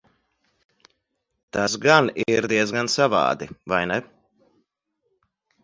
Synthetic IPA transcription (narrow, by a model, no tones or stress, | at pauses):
t̪asɡaniɾd̪iɛzɡansava̰ːd̪ivajnɛ